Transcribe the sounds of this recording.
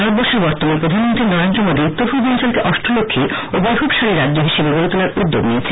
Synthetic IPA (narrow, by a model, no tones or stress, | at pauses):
aɾod̪̚bɔɾʃʰoɾbɔɾt̪omanepɾod̪ʱanmont̪ɾiɾnɔɾant̪ɾomod̪ʱiut̪ːofʰud͡ʑɔnt͡ɕalkeʔɔʃʈɾolokʰːiobɔjbʱubʃaɾiɾadd͡ʑoɦiʃebeɡoɾet̪olaɾud̪ːoɡnijet͡ɕʰe̥